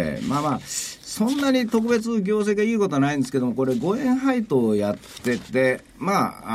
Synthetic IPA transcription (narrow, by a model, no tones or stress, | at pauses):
maːmaːsõ̞nːaɲ̟it̪o̞kɯ̟be̞t͡sɨɡʲo̞ːse̞ːɡaiːko̞t̪o̞anaĩnd̪eske̞d̪o̞mo̞ko̞ɾe̞ɡo̞ẽ̞ɰ̃ɦait̪o̞ːjat̪ːe̞t̪e̞ | maː